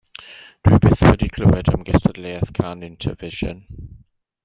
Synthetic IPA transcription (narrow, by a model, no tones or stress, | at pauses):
d̥wibɪθwədikʰl̥oːɛdə̰mɡɛstʰədleːəθkʰanɪ̃ntʰə̰vɪʒə̰n